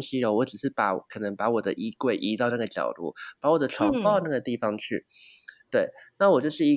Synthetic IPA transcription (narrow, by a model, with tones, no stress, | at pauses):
ɕi˧˥o˧˩wɔ˧˥ʈ͡ʂɻ̩˨˩ʂɻ̩˥˩pa˧˥˨kʰɤ˨˩nə˧˦ŋpa˧˥wɔ˨˩d̪ə̰˦ʔi˧˥kwe˥˩ɪʔi˧˥t̪ɑ˥˧ʊna˥˩ɡə˩t͡ɕjɑ̰˨˩ʊt̪ṵ˥˩pa˧˥wɔ˨˩d̪ə˦ʈ͡ʂʰwɑ˧˥ŋxna˥˩ɡə˩t̪i˥˧fɑ˧ŋt͡ɕʰy̰˥˩ | t̪we˥˩ɪna˥˩wɔ˨˩t͡ɕjo˥˧ʊʂɻ̩˥˩i˧˥